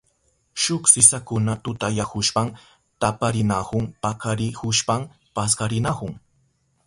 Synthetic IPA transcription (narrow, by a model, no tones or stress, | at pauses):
ʃʊksɪsakʊnat̪ʊt̪ajakʊʃpam | t̪apaɾɪnahʊŋpakʰaɾɪhʊʃpam | paskaɾɪnahʊŋ